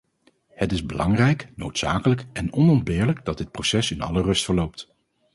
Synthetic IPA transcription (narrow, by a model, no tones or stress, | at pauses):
hətɪzbəlʔɑŋrɛjknowtsaːkələkɛnɔnɔndbɪːɹləɡdɑdɪt̚prosɛsɪnɑ̰lərɵstfəɹlowp̚t